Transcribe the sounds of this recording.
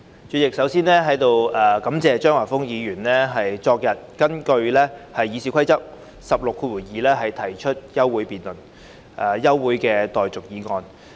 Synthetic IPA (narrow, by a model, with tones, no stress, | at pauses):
t͡ʃyː˨t̚jɪ˨k̚sɐ˨˥wsiː˥nlɛː˥ɦɐ˨˥jt̪o˨˧wɐː˨kɐ˨˧˥mt͡sɛː˨˧t͡ʃœː˥ŋwaː˨˩fʊ˥ŋjiː˨˧ɥyː˨˩nlɛː˥ɦɐ˨jt͡sɔː˧k̚jɐ˨t̚kɐ˥nkɵ˧ɥlɛː˥hɐ˨jːiː˨˧siː˨˥kʰʷɐ˥jt͡sɐ˥p̚ | sɐ˨p̚lʊ˨kʰːuː˧wuː˨˩jiː˨lɛː˥ɦɐ˨jt̪ʰɐ˨˩jt͡ʃʰɵ˥t̚jɐ˥wːuː˨˥jpiː˨nlɵ˨˩n | ʔaː˨˩jɐ˥wːuː˨˥jkɛː˧t̪ɔː˨jt͡sʊ˨k̚jiː˨˥ŋɔː˧n